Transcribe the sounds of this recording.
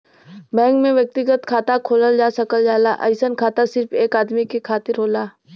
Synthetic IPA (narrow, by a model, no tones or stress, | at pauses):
bɛ̃ːŋkmẽʋjək̚t̪ɪɡət̪kʰaːt̪akʰoːləld͡ʒaːsəkəld͡ʒaːlaʔə̰ɪsənkʰaːt̪asɪɾfʰeːkaːd̪mikekʰaːt̪ɪɾɦoːlaː